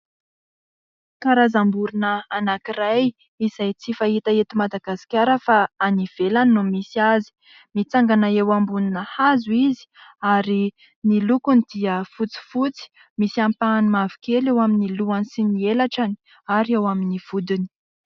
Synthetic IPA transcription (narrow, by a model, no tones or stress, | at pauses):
kaɾazambuɾinəːnakiraj | iz̥ajt͡sifahit̪aet̪imad̪aɡasi̥kʲaɾəfaaniv̥elanːumisiazi̥ | mit͡saŋɡanaewambuninəhazuizi̥aɾi | nilukunid̪̥iəfut͡si̥fut͡si̥ | misiampanimavi̥kelewaminiluanisinielaʈ͡ʂani̥ | aɾiewaminiv̥ud̪ini̥